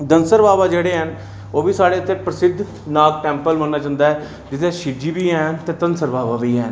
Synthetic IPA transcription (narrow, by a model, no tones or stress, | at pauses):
d̪ənsəɾbaːʋaːd͡ʒeːɽeːɦən | oːbiːsaːɽeːət̪ʰːeːpɾəsɪd̪ʱ | naːk̚ʈɛ̃ːmpəlmənːaːt͡ʃãːnd̪aːɦɛː | d͡ʒɪt̪eːʃɪd͡ʒiːbiːɛːnt̪eːt̪ənsəɾbaːʋaːbiːɦɛːn